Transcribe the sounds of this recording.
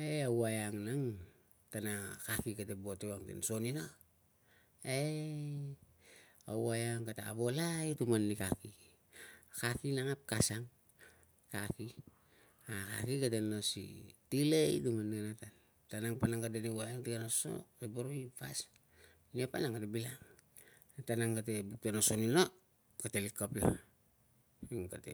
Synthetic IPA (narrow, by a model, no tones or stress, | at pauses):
eawajaŋnaŋ | tanakakikatebotewaŋtḛnso̞nino | e | awajaŋkataːβo̞lajtumanːikaki | kakinaŋap̚kasaŋ | kaki | aka̰kikatenosḭtilejtumanːianatan | tanaŋpanaŋɡadenewajaŋtikanoso̰sebaɾoipas | niopanaŋɡatebilaŋ | tanaŋkat̬ebutonosonino | katelikːopla̰ | iŋkatḛ